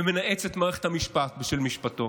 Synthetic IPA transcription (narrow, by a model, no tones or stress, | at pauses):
emenaʔet͡set̪maːʁeχethamiʃpat̪̚biʃelmiʃpato̞